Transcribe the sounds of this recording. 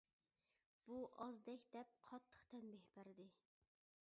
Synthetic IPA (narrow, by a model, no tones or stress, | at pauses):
b̥uʔɑzd̪ɛkʲd̪ɛp̚qʰɑt̪ʰːə̥χt̪ʰɛnbɪhbæɾd̪ɪ